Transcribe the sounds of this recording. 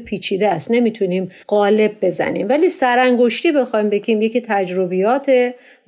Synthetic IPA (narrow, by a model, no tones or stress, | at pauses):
pʰiːt͡ʃʰiːd̪eæst̪ne̞miːt̪ʰuniːmɢ̥ɒːle̞b̚ːe̞zæ̰nḭːmvæliːsæɾæŋɡo̞ʃt̪iːbe̞xɒjmbe̞ɟiːmjecit̪ʰæd͡ʒɾobijɒːt̪ʰe